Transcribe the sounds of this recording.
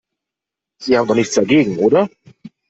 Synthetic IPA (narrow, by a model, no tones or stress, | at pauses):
z̥iːhaːbmndɔχnɪçt͡ssd̥aɐɡeːɡŋ̩ʔoːɾɐ